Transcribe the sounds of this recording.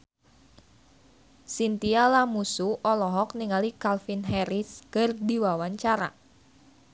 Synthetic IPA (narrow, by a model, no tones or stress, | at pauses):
sint̪ialamusuʔɔlɔɦɔkniŋalikalfinɦɛɾɪskərdiwawaɲt͡ʃaɾa̰